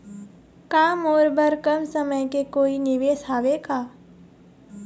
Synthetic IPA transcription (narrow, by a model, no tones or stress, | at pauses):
kaːmɔːɾbəɾkɐmsəməjkekoːinɪʋeːsɦaːʋekaː